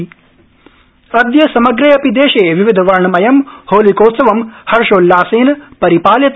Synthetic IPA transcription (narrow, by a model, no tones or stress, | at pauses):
ɐd̪jɐsɐmɐɡɾeːɐpid̪eːʃeːʋiʋid̪ʱɐʋɐɾɳɐmɐjɐmhoːlikoːt̪sɐʋɐmhɐɾʃoːlːaːseːnɐpɐɾipaːljɐt̪